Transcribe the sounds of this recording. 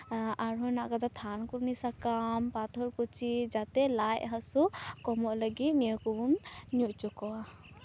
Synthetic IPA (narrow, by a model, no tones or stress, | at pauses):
aɹɔnaɡad̪at̪ʰankuɹnisakampat̪ʰɔɹpɔt͡ʃʰizat̪ɛlajɦasukɔmɔʔləɡit̪nijɔkubunːjuʔt͡ʃɔkɔwa